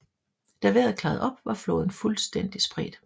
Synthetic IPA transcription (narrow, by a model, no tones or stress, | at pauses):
d̥æʋeɐð̩ˠkʰlɑ̈ːð̩ˠɒ̽b̥ʋɑ̈floːð̞ˠn̩fulsd̥en̰d̥isb̥ʁid̥